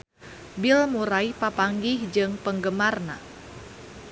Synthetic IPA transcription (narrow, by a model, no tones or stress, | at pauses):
bilmuɾaipapaŋɡihd͡ʒɨŋpəŋɡəmarna̰